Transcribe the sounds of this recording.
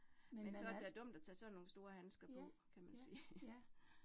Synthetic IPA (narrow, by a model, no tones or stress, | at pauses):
mensɒ̽æɐd̥eæɐd̥ɔ̽m̰d̥ɒt͡sʰɛ̰ːsɒ̽nːo̝ːn̩sd̥o̝ːɐɦænsɡ̥ɐpʰɒ̽kʰæmænsiː